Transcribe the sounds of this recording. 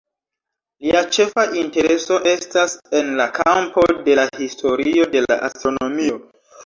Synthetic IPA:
liat͡ʃe̞faʔinte̞ɾe̞so̞ʔe̞stase̞nlakʰampo̞de̞lahistʰo̞ɾio̞de̞la̰ʔa̰stɾo̞no̞mio̞

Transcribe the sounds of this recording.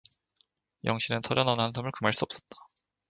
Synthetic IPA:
jʌŋɕʰinɯntʰʌɾjʌnʌnɦandʰamɯɭkɯmaɭs͈uʌp̚s͈ʌt̚t͈ḁ

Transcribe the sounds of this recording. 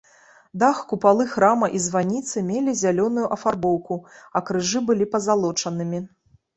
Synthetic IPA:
d̪axkupalˠɨxɾamɐʔizvanʲit̪sɨmʲelʲizʲalʲɔnujuʔɐfarbɔwkuɐkɾɨʐɨbɨlʲipɐzalˠɔt͡ʂɐnɨmʲi

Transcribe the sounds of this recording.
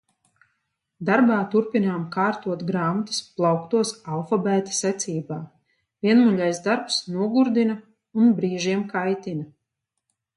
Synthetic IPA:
d̪aɾbaːt̪uɾpinaːmkaːɾt̪uɔt̪ɡɾaːmat̪ɨ̥splˠawkt̪uɔsalˠfɔbæːt̪ḁsɛt̪sʲiːbaː | viɛnmulʲajzd̪aɾpsnuɔɡuɾd̪ina | unbɾiːʒiɛmkajt̪ina

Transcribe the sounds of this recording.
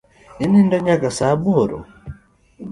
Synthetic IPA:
inindɔɲakasabɔɾɔ̰

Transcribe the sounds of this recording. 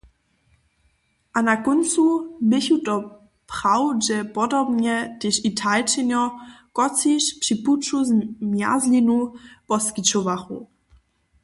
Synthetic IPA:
ʔanakɔnt͡subɪçutɔ | pχawʒɛpɔdɔbɲɛtɪʃitʰalt͡ʃɪnɔkɔt͡siʃpʂiput͡ʃuzmja̰zlinub̥ɔskit͡ʃɔvaχṵ

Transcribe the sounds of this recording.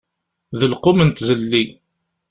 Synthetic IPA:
ðəlqʊmənt̪zəlːi

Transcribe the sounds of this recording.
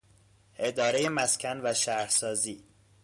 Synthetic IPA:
ʔe̞d̪ɒːɾe̞jemæscʰænvæʃæɾsɒːziː

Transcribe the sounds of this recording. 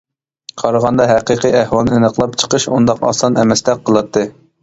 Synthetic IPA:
qʰɑɾəʁɑnd̪ɑɦæqiqiæhwɑlˠnɨnəqlˠɑpt͡ʃʰə̥qʰəʃund̪ɑqɑ̰sɑnɛmɛsd̪ɛk̚qʰəlˠɑt̪ʰːɨ

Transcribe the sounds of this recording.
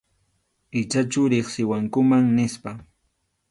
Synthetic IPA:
ɪt͡ʃat͡ʃʊɾɪχsɪwaŋkʊmaŋnɪspa

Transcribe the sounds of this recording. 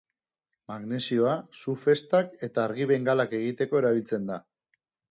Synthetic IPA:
maɣne̞sio̞asufe̞st̪ake̞t̪aːɾɣiβe̞ŋɡalake̞ɣ̞it̪e̞ko̞e̞ɾaβ̞ilt͡se̞nd̪a

